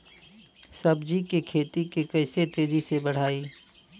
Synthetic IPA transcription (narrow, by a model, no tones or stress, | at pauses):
sɐbd͡ʒikekʰeːt̪ikekɐɪset̪eːzisebɐɽ̤aːiː